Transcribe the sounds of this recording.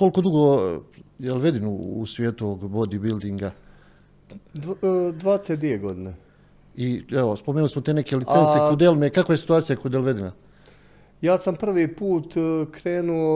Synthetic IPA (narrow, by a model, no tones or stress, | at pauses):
koliko̞d̪uɡo | jelʋe̞d̪inṵːsʋʲjeːt̪uooɡbod̪ibild̪iŋɡa | d̪ʋaːd̪eset̪d̪ʋieɡod̪ine | iɛʋospomenulismot̪eneke̞lit̪sensekod̪elˠmekakʋaesi̥t̪uaːt̪sijakod̪elʋe̞d̪ina | jaːsampr̩ʋiːpuːt̪kɾeːnuo